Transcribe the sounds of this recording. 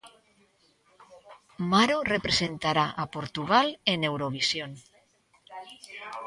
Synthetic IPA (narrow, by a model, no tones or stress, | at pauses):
maɾorepɾesent̪aɾaʔapoɾt̪uɣ̞alene̞wɾoβ̞isjon